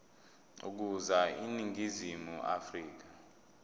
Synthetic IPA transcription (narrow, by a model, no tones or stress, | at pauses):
ṵk̬uzainiŋizimuʔa̰friːk̬a